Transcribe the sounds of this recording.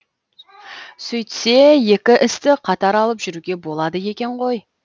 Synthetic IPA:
sɵjt̪se̞je̞kʲɪʔɪst̪ɪqʰɑt̪ɑɾɑlˠəpʒʏɾuɡʲe̞bo̞lˠɑd̪əje̞kʲe̞ɴʁo̞j

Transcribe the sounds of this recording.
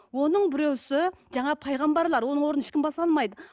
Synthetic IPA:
wo̞nəɴbɪɾewsɪʒɑɴɑpʰɑjʁɑmbɑɾlˠɑɾwo̞nəɴwo̞ɾənɪʃkʲɪmbɑsɑlˠmɑjd̪ə

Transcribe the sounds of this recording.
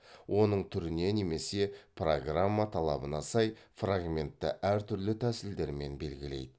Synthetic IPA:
wʔo̞nəɴt̪ʰʏɾɪne̞ne̞me̞se̞proɡramːat̪ʰɑlˠɑ̰bənɑsɑjfraɡmʲe̞nt̪ːɪ̰ʔæɾt̪ʰʏɾlɪt̪ʰæsɪld̪e̞ɾme̞nbe̞lɡʲɪle̞̰jd̪ɪ

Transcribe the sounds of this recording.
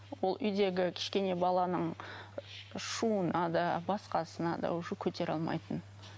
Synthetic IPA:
wo̞lˠʔʏjd̪e̞ɡʲɪkʲʰɪ̥ʃkʲe̞ne̞bɑlˠɑnəɴ | ʃuənɑd̪ɑbɑsqɑsənɑd̪ɑ̰ʊʒəkʲʰɵt̪e̞ɾɑ̰lˠmɑ̰jt̪ən

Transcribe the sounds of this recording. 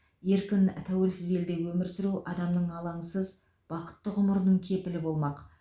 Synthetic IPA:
je̞ɾkʲɪnt̪ʰæwe̞lsɪze̞ld̪e̞wɵmɪɾsɪɾuʔɑd̪ɑmnəɴɑlˠɑɴsəz | b̥ɑqə̥t̪ːəʁʊməɾnəɴkʲʰe̞pɪlɪbo̞lˠmɑq

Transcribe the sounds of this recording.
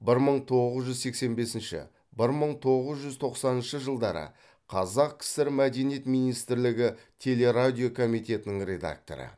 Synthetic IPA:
bɪɾməɴt̪ʰo̞ʁəzʒʏzse̞kse̞nbe̞sɪnʃɪ̰ | bɪɾməɴt̪ʰo̞ʁəzʒʏzt̪ʰo̞qsɑnənʃəʒəlˠd̪ɑɾə̰ | qʰɑzɑqkʲʰɪ̥sɪɾmæd̪e̞nijet̪mijnijst̪ɪɾlɪɡʲɪt̪ʲʰe̞le̞ɾad̪ʲijo̞kʰo̞mijt̪e̞t̪ɪnɪŋɾʲe̞d̪a̰k̚t̪o̞̰ɾə̰

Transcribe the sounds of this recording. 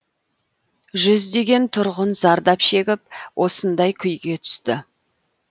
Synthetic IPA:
ʒʏzd̪e̞ɡʲe̞nt̪ʰʊɾʁʊnzɑɾd̪ɑpʃe̞ɡʲɪp̚wʔo̞sənd̪ɑjkʲʰʏjɡʲe̞t̪ʰʏ̥st̪ɪ

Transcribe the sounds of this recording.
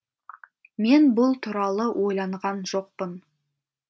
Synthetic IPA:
me̞nbʊlˠt̪ʰʊɾɑlˠəwʔo̞jlˠɑɴʁɑnʒo̞q̚pən

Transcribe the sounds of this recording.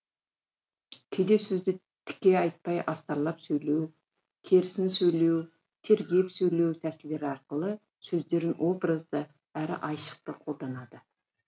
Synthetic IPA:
kʲʰed̪e̞sɵzd̪ɪ | t̪ʰɪ̥kʲːe̞ɑjt̪̚pɑjʔɑst̪ɑɾlˠɑpsɵjle̞w | kʲʰe̞ɾɪsɪnsɵjle̞w | t̪ʰe̞ɾɡʲe̞psɵjle̞wt̪ʰæsɪld̪e̞ɾɪɑɾqəlˠə | sɵzd̪e̞ɾɪnwʔo̞b̪ɾəzd̪ə | æɾɪ̰ʔɑjʃə̥q̚t̪əqʰo̞lˠd̪ɑnɑd̪ə

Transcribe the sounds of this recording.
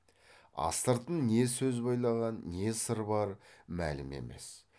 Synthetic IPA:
ɑ̰st̪əɾt̪ənne̞sɵzbɑjlˠɑʁɑnːe̞səɾbɑɾmæ̰lɪme̞̰me̞̰s

